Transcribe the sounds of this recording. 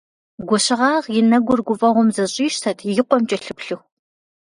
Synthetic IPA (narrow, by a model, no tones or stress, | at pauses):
ɡʷɔɕɪʁɑːʁjɪnɐɡʷʊrɡʷʊfʼɐʁʷʊmzɐɕʼiːʃtʰɐtʰjɪqʷɔmt͡ʃʼɐɬɨpɬɨx